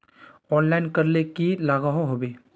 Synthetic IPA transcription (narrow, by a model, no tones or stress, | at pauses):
ɔːnlaːɪnkɐɾlekilaːɡaɦõɦoːbeː